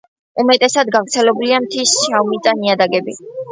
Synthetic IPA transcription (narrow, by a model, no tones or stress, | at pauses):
umɛt̪ʼɛsad̪ɡavɾt̪sʰɛlɛbuliamt̪ʰisʃaumit̪sʼaniad̪aɡɛbḭ